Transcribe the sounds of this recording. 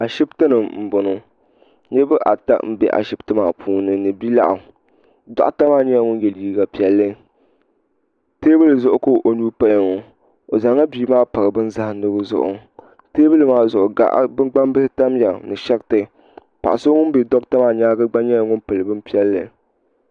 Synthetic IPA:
a˨ʃi˦btɨ˦nɨ˨mm̩˨bo˨nʊ˨ | ɲɛ˦bɨ˦ʔa̰˨ta̰˦m̩˨bɛ̰˦ʔa̰˨ʃi˦btɨ˦maː˨pʰuː˦nɨ˨nɨ˨bi˦la̰˦ʔʊ˨ | dɔ̰˦ʔta˦maː˦ɲa˦a˦ŋʊ˦njɛ˨ljiː˦ɡa˨pi˨˦ɛ˦lːɨ˦ | teː˦bɨ˦lɨ˨zʊ˦ʔʊ˦koː˦˨ʔo˨nuː˦pa˦ja˨ŋo˨ | o˨za˨˦ŋa˦biː˦maː˦pa˨ɾɨ˨bɨ˦nza˦hnɨ˦bɨ˦zʊ̰˨ʔʊ̰˨ | teː˦bɨ˦lɨ˨maː˦zʊ˨ʔʊ˨ɡa̰˦˨ʔbɨ˦ɡ͡ba˦m˦bɨ˦hɪ˦ta˦mja˨nɨ˨ʃɛ˦k̚tɨ˨ | pa̰˨ʔa˨so˦ŋʊ˦n˦bɛ˨dɔ˦k̚ta˦maː˦ɲaː˦ɡɨ˦ɡ͡ba˦ɲɛ˦ŋʊ˦npɨ˨lɨ˨bɨ˦m˦pi˦ɛ˦lːɨ̰˨

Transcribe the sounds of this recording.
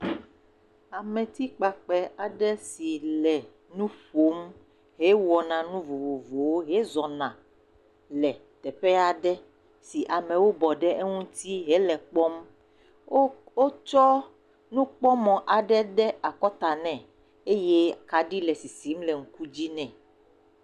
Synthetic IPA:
a˨mɛ̃˨t̪i˦k͡pa˨k͡pɛ˨a˨ɖɛ˦si˨lɛ˨ | nũ˦ɸo˨˦m | ɦe˦wɔ˨nã˨nũ˦vo˨vo˨vo˨wo˦ɦe˦zɔ˨nã˨ | lɛ˨t̪ɛ˨ɸɛ˦a˨ɖɛ˦ | si˨ʔa˨mɛ̃˨wo˦bɔ˨ɖɛ˦ʔe˦ŋũ˦t̪i˦ɦe˦lɛ˨k͡pɔ˦m˦ | o˦t͡ʃɔ˦ | nũ˦k͡pɔ˦mɔ̃˨ʔa˨ɖɛ˦ɖɛ˦a˨kɔ˦t̪a˨nɛ̃˨ | e˦je˦ka˨ɖi˦lɛ˨si˨si˨˦mlɛ˨ŋ̩˦ku˦d͡ʑi˦nɛ̃˨

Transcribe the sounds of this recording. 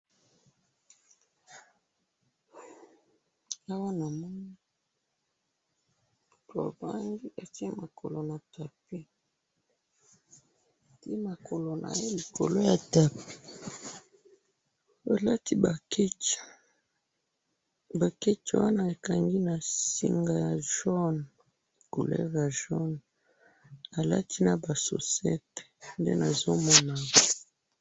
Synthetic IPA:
a˦wa˦na˨mɔ˦ni˦˨ | ta̰˨ba˦ŋɡi˦ʔa˨ti˦ma˨kʰo̰˨lo˨na˨ta˨pe˦˨ | ti˦ma˨kʰo˨lo˨nʔa̰˨je˦li˨kʰo̰˨lo˦ja˨ta˨pe̥˨ | a˨la˦ti˦ba˨ke˦ | ba˨ke˦t͡ʃwa˦na˦e˨ka˨ŋɡi˦na˨sḭ˦ŋɡa˦ja˨ʒɔ˦n˨ | ko̰˨lɛ̰˦va˨ʒɔ˦n | a˨la̰˦tʰi˦na˨ba˨so̰˨sɛ˦te̥˨ndḛ˦na˨zo˦mɔ˦na˨

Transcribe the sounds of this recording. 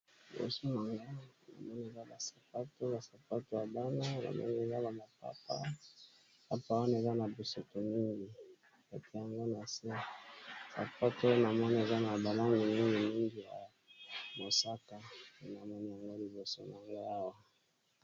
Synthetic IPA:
li˨bo̰˨so˦n˨a˨ŋɡo˦a˨na̰˨mɔ˦ni˦e˨za˦ba˨sḁ˨pa˦to˦ba˨sa˨pa˦to˦ja˨ba˦na˦na̰˨mɔ̰˦ni˦e˨za˦ba˨ba˨pa̰˨pa̰˦ | pa˨pa˦˨˦wa˦na˦˨e˨za˦na˨bi˨so˨to˨mi˦ŋɡi˨ | ka˨tʰe˨ja˨ŋɡo˦na˨se˦sa̰˨pa˦to˦na˨mɔ˦ni˦e˨za˦na˨ba˨la˦ŋɡi˨mi˦ŋɡi˨mi˦ŋɡi˨ja˨ | mo˨sa˦ka˨na˨mɔ˦ni˦ja˨ŋɡo˦li˨bo˨so˦na˨ŋɡo˦a˦wa˦

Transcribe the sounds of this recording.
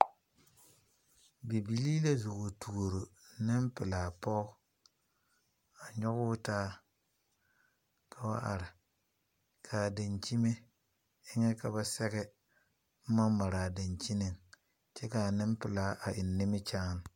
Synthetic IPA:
bi˨bi˨liː˦la˦zʊ˨ɣʊ˨tʰu˨o˨ɾo˨nɪ˦mpɪ˨laː˨pɔ˦ | a˨ɲɔ˦ɣʊː˦taː˦ | kʰa˨wa˦ʔa̰˨ɾɪ˨ | kʰaː˨da˨nt͡ʃi˦me˦ | ɪ˦ŋɛ˦ka˨ba˨sɛ˦ɣɛ˦ | ma˦ma˨ɾaː˨da˨ɲt͡ʃi˦nɪ˨ŋ | t͡ʃɛ˦ka˨nɪ˦mpɪ˨laː˦ʔa˨ʔɪ˨nːɪ˦mɪ˦t͡ʃaː˦n˨

